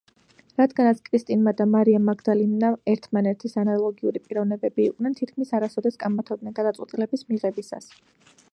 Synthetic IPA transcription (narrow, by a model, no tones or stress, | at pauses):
ɾad̪ɡanat̪sʰkʼɾist̪ʼinmad̪amaɾiamːaɡd̪alimnaɛɾt̪ʰmanɛt̪ʰisanalˠɔɡiuɾipʼiɾɔvnɛbɛbiːqʼnɛnt̪ʰit̪kʰmisaɾasɔd̪ɛskʼammat̪ʰɔbnɛnɡad̪at̪sʼwɛt̪ʼilɛbismiʁɛbisa̰s